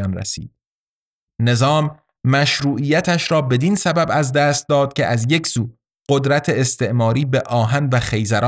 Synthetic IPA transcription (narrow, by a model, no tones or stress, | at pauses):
nɾæ̰sḭːd̪̥̚ | ne̞zɒːmː | æʃɾuːʔijæt̪ʰæʃɾɒːbe̞d̪insæbæbæzd̪æːst̪̚d̪ɒːd̪̥̚cʰʲe̞ʔæzje̞cʰsuː | ɢ̥od̪ɾæt̪ʰeːst̪e̞ʔmɒːɾiːbe̞ʔɒːɦænvæxejzæɾɒː